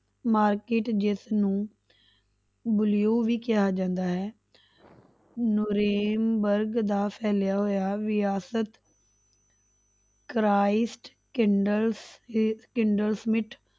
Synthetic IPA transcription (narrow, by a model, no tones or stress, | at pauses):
maːɾkeːʈd͡ʒɪsnũː | bʊlijoːʋiːkɪɦaːd͡ʒãːnd̪aːɦɛː | nʊɾeːmbəɾɡd̪aːpʰɛːljaːɦoːjaːʋɪjaːsət̪ | kɾaːɪsʈ | kɪɳɖəlskɪɳɖəlsmɪʈʰ